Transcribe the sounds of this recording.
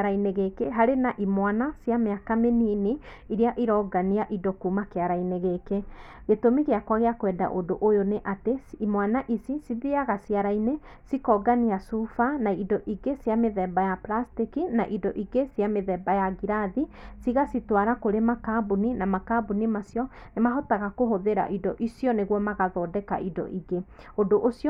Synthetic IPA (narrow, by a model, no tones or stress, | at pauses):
ɾaineɣekeɦaɾenaʔimwanasiameakamenini | iɾiaʔiɾɔɡaniaʔidɔkuːmakeaɾaineɣeke | ɣetomeɣeakwaɣeakwɛda̰ʔodoʔojoneʔateimwanaʔisisiðiaɣasiaɾainesikɔɡaniasufanaidɔʔiɡesjameðɛbajaplastikinaʔidɔʔiɡesjameðɛbajaɡiɾaðisiɣasitwaɾakoɾemakabuninamakabunimasjɔnemaɦɔtaɣakoɦoðeɾa̰ʔidɔʔisjɔneɣwɔmaɣaðɔːdɛka̰ʔidɔ̰ʔiɡeodoʔosjɔ